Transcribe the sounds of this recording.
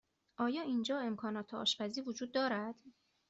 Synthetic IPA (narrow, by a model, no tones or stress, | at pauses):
ʔɒːjɒːiːnd͡ʒɒːe̞mkʰɒːnɒːt̪ʰeɒ̰ːʃfæziːvod͡ʒuːd̪̚ːɒːɾæd̪̥